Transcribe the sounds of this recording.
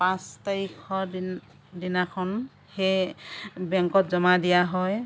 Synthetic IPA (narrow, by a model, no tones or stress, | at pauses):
pãstaɹikʰɔd | dinakʰɔn | xej | bɛŋkɔtzɔmadijaɦɔj